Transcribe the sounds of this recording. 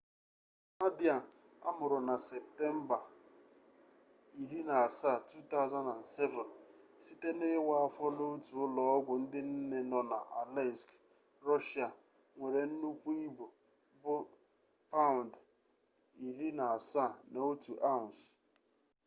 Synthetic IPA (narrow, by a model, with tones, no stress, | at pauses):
a˦di˨a˨n˨ | a̰˦mʊ˨ɾʊ˨na˨se˨p̚te˦m̩˦ba˨ | i˨ɾi˦na˨a˨sa˦˨tu˦ta˦ʊ˨za˦nda˨n̩˨se˦vɔ˨nsi˦te˦nɪ˦wa˨a˨fɔ˦lo˦tu˨ʊ˦lɔ˨ɔ˦ɡʷʊ˨n̩˦dɪ˦n̩˦ne˦nɔ˨na˨ʔa̰˨lɛ˦sk | ɾɔ˦ʃa˨ | ŋʷe˨ɾe˨n̩˦nu˦kʷu˦i˦bo˨ | bʊ˦ | pa˦ʊ˨n˨d | i˨li˦na˨a˨sa˦˨na˨o˦tu˨ʔa˦ʊ˨n˨s